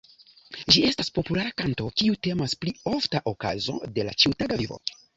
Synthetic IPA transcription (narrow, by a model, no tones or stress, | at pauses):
d͡ʒie̞staspo̞pulaɾakanto̞kiute̞masplio̞ftaʔo̞ka̰zo̞̰de̞la̰t͡ʃiutaɡavivo̞̰